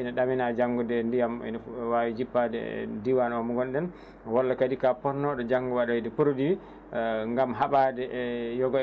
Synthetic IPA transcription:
inaɗaminad͡ʒaŋɡɔdɛndijamɛ̰nawawid͡ʒipːadɛ̰diwanɔmuɡɔnɗɛn | wɔlːakadikapɔɾnɔɗɔd͡ʒaŋɡɔwaɗɔidɛpuɾdi | ŋɡamɦaɓadɛʔjɔɡɔ

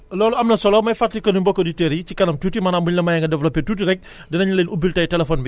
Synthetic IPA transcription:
lɔːluɐmnɐsɔlɔmɐjfatːikɐnuɲbɔkːɔditeɾicikɐnɐmtutimɐnambuɲlɐmɐjɐŋɡɐdɛvlɔpːɛtuːtiɾɛk̚ | dɛnɐɲɐlenubiltɐjtɛlɛfɔnbi

